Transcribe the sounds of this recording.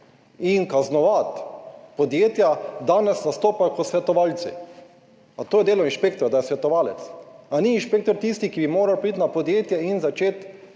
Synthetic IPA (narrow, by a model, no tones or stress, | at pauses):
inkaznɔʋat̪pɔd̪jeːt̪jad̪aːnɛsnast̪oːpajɔkɔsʋɛt̪ɔʋaːlt̪sḭ | at̪oːjɛd̪eːlɔinʃpeːkt̪ɔɾad̪ajɛsʋɛt̪ɔʋaːlɛt̪saniːnʃpeːk̚t̪ɔɾt̪ist̪ikibimoːɾawpɾit̪ʲnapɔd̪jeːt̪jɛinzat͡ʃeːt̪